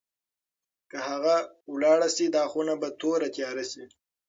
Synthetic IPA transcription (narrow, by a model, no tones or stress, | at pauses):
kəhaɣa | wlɑɽasid̪ɑxunabat̪ʰoɾat̪jɑɾasi